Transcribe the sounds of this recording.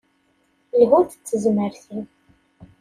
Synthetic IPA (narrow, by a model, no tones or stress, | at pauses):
lʁʊɾθə̥t͡sːəzməɾθin